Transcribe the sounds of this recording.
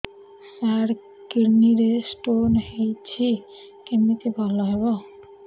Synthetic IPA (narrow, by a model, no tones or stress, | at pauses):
saɾ | kiɾniɾesʈonhejt͡ɕʰi | kemit̪ebʱɔlɔɦeβɔ